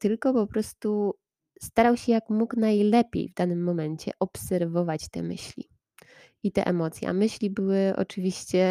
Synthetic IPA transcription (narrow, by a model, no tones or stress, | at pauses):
t̪ɘlkɔpɔpɾɔst̪u | st̪aɾawɕɛjakmuknajlɛpʲjḛjvd̪anɘmːɔmɛɲt͡ɕɛ̰ʔɔpsɛɾvɔvat͡ɕt̪ɛ̰mɘ̰ɕlʲḭ | it̪ɛ̰ʔɛmɔt̪sʲja̰mɘɕlʲibɘwɘʔɔ̰t͡ʂɘvʲiɕt͡ɕɛ